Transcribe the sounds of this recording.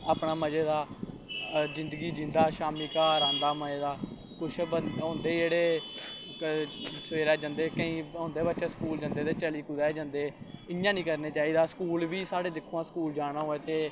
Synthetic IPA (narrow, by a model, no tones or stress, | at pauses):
aːpɳaːməd͡ʒeːd̪aː | zɪ̃nd̪əɡiːd͡ʒɪ̃nd̪aːʃaːmiːkaːɾãːnd̪aːməd͡ʒeːd̪aː | kʊt͡ʃʰbəõːnd̪eːd͡ʒeːɽeː | səʋeːɾɛːd͡ʒənd̪eːkəĩːõːnd̪eːbətːʃeːsəkuːld͡ʒə̃nd̪eːt̪eːt͡ʃəliːkʊd̪ɛːd͡ʒə̃nd̪eːɪjãːnĩːkəɾneːt͡ʃaːiːd̪aːsə̥kuːlʋiːsaːɽeːd̪ɪkʰːoːãːskuːld͡ʒaːɽ̃ãːɦoːeːt̪eː